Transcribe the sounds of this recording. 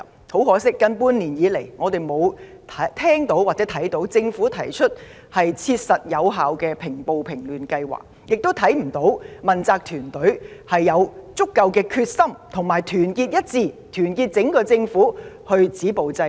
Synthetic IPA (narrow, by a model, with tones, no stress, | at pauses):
ho˨˥wɦɔː˨˥sɪ˥kːɐ˥npuː˥nliː˨˩njiː˨˧le˨˩jŋɔː˨˧t̪e˨jmo˨˧wt̪ʰɐ˨˥t̪ʰɛː˥ŋt̪o˨˥waː˨k̚t͡sɛː˨˥t̪ʰɐ˨˥jt̪o˨˥wt͡sɪ˧ŋfuː˨˥t̪ʰɐ˨˩jt͡ʃʰɵ˥t̚ | hɐ˨jt͡sʰiː˧t̚sɐ˨t̚jɐ˨˧wɦaː˨˧wkɛː˧pʰɪ˨˩ŋpo˨wpʰɪ˨˩ŋlyː˨nkɐ˧jwa̰ː˨k̚jɪ˨k̚t̪o˥wt̪ʰɐ˨˥jm̩˨˩t̪o˨˥wmɐ˨nt͡saː˧k̚t̪ʰyː˨˩nt̪ɵ˨˥ɥhɐ˨jːɐ˨˧wt͡sʊ˥kːɐ˧wkɛː˧kʰyː˧t̚sɐ˥mt̪ʰʊ˨˩ŋmaː˨˩jt̪ʰyː˨˩nkiː˧t̚jɐ˥t̚t͡siː˧˩t̪ʰyː˨˩nkiː˧t̚t͡sɪ˨˥ŋkɔː˧t͡sɪ˧ŋfuː˨˥ | hɵ˧ɥt͡siː˨˥po˨wt͡sɐ˧